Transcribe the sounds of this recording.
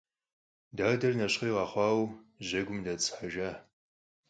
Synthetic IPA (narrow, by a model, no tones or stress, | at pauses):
daːdɐrnɐɕχiːʁɑχʷɑːwʑɐɡʷʊmdɐt͡sʰʼħaʒaː